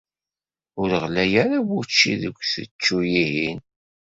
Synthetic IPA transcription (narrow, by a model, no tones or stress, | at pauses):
ʊɾəʁlæjæɾawʊt͡ʃːḭðəɡʷθət͡ʃːujihin